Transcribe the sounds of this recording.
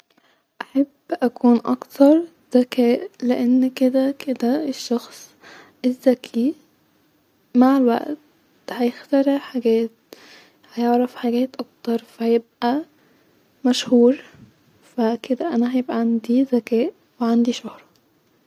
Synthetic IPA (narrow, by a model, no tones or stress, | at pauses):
ʔaħabːʔækuːnʔɑ̰kt̪ɑɾˤ | z̥ækʰæːʔleʔenːked̪æked̪æeʃːɑxsˤ | ʔezːækʰi | maʕelwæ̰ʔt̪ | hæjext̪æɾeʕħaɡæːt̪̚ | hæjeʕɾæfħaɡæːt̪ʔɑk̚t̪ɑɾˤfæhæjeb̚ʔæ | mæʃhuːɾ | fæked̪æʔænæhæjebʔæʕand̪izækæːʔ | weʕand̪iʃohɾˤɑ